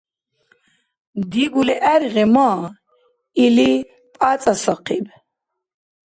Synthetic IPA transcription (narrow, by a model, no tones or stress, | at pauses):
d̪iɡulɛʔæɾiʁɛmɔ | ili | pʼat͡sʼasɔqʰib